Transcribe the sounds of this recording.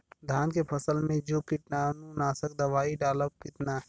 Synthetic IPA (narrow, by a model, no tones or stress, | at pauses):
d̪ʱaːnkepʰɐsəlmẽd͡ʒoːkɪʈnanũnaːsək̚d̪ɐʋaːiɖaːləbkɪt̪na